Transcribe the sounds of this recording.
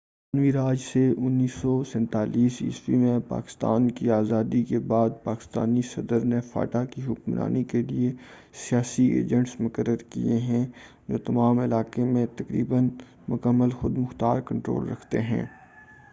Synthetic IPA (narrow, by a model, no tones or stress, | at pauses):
aːnʋiɾaːd͡ʒseʔʊnːiːsːɔsɛ̃nt̪aːliːsḭswimẽpa̰ːkɪ̥st̪a̰ːnkiaːzaːd̪ikebaːd̪̚paːkɪ̥st̪a̰ːnisɐd̪əɾnefa̰ːʈakiɦʊkmnʔa̰ːnikelie | sijaːsiḛːd͡ʒə̃ɳʈsmʊkəɾːəɾkḭeɦɛ̃ | d͡ʒoːt̪ɐmaːmɪlaːkemẽt̪ɐkɾḭːbən | mʊkəmːəlxʊd̪mʊxt̪aːɾkɐ̃ɳʈɾo̰ːlɾɐkʰt̪eɦɛ̰̃ː